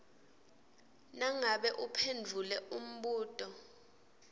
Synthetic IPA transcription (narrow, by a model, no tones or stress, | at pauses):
naŋaɓɛʔupʰend͡vʱulɛum̩ɓuːtʼɔ